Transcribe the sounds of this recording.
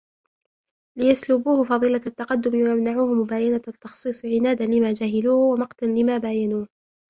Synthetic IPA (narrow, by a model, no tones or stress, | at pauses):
lɪjaslʊbuːhfɑðˤɨːlat̪ːɑqɑd̪ːʊmwajamnaʕuːhmʊbaːjanat̪ːɑxsˤiːsˤʕɪnaːd̪alɪmaːd͡ʒaɦɪluːhwamɑqt̪anlɪmaːbaːjanuːh